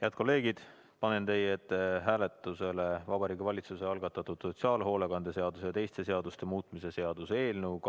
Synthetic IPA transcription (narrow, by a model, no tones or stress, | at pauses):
jæːd̪̥̚kʰo̞lːe̞ːɡ̥id̪̥ | pɑne̞nt̪e̞jet̪ːɦæːle̞t̪ːˑuse̞levɑbɑɾiːɡivɑlʲit̪suseɑlɡ̥ɑt̪ːˑɑt̪ːˑud̪̥so̞t̪siɑːlɦo̞ːlekɑnd̪̥e̞se̞ɑd̪us̬ejɑt̪e̞jst̪e̞se̞ɑd̪ust̪e̞muːt̪mise̞se̞ɑd̪̥use̞ːlnəwk